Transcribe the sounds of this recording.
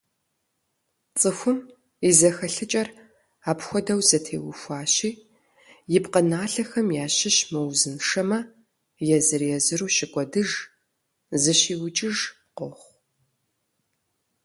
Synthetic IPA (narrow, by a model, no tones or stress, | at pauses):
t͡sʼɨxʷʊm | izɐxɐɬɨt͡ʃʼɐr | aːpxʷɔdɐwzɐtʰḛːwʊfʷaːɕiː | jɪpqənaːɬɐxɐmjaːɕɪɕmɨwzɨnʂɐmɐ | jɛzɨrjɛzɨruːɕɪkʷʼɔdɨʒ | zɨɕiːwt͡ʃʼɪʒ | qoχʷ